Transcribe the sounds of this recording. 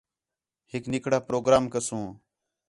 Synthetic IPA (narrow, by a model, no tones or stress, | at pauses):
hɪknɪkɽaːpɾoːɡɾaːmkəsũː